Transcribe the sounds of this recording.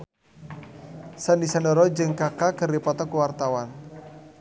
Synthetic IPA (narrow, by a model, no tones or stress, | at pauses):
səndisandoɾɔd͡ʒɨŋkakakərdipɔt̪ɔkuwart̪awan